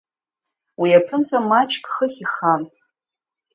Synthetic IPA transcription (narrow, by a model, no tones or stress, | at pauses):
wiapʰɨnt͡sʰamat͡ʃʰʼkʼχəχʲiχan